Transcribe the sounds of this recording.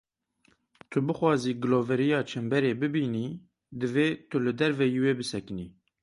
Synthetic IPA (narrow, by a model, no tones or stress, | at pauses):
t̪ʰʊbɨxwɑːziːɡɨloːvɛɾijɑːt͡ʃʰɛmbɛɾeːbɨbiːniː | d̪ɨveːt̪ʰʊlɨd̪ɛɾvɛjiːweːbɨsɛkɨnḭː